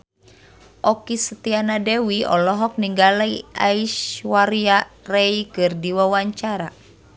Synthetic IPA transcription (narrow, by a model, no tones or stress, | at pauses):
ʔɔkisət̪ianadɛwiɔ̰lɔɦɔk̚niŋɡalaiʔaiʃwaɾiarɛikɨrdiwawaɲt͡ʃaɾa